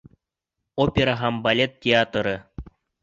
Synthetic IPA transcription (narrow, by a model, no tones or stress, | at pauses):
opʲeɾaɦɑmbalʲet̪̚tːʲeat̪ɾɤ̆